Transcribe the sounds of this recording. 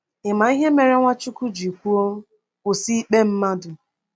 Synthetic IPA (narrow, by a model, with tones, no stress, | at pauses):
ɪ˨ma˨˦i˦ɦe˦me˨ɾe˦ŋʷa˦t͡ʃʊ˦kʊ˦d͡ʒi˨kʷu˦o˦m̩˦ | ʊ˨si˦k͡pe˦m̩˦ma˦dʊ˨